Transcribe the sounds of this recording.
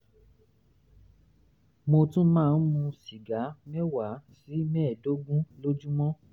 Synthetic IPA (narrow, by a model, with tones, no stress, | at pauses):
mo˧tũ˦mãː˦˧˨n̩˦mũ˧ʃi˨ɡa˨˦mɛ˦wa˨˦si˨˦mɛ̃ː˦˨do˦ɡũ˦lo˦d͡ʒu˦mɔ̃˦